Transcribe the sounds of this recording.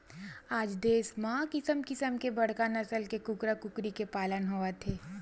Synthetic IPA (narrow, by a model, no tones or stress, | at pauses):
aːd͡ʒd̪eːsmãːkɪsəmkɪsəmkebɐɽ̤kanɐsəlkekʊkɾakʊkɾikepaːlənɦuat̪ʰeː